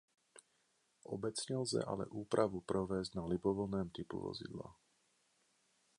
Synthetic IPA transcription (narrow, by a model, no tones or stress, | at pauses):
ʔɔbɛt͡sɲɛlzɛ̰ʔa̰lɛ̰ʔuːpɾʔaʋupɾɔʋɛːzɟnalibɔʋl̩nɛːmt̪ipṵʋɔ̰zḭd̪la̰